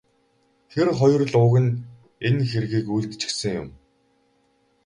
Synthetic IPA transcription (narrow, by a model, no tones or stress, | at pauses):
xerχɔj̆rɮʊːɣɘ̆n | enxeɾɣiːkujɮt̪t͡ɕɪ̥̆ksɘ̆ŋjʊ̰m